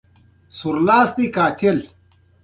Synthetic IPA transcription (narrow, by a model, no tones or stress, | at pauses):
suɾlaːsd̪ikaːt̪il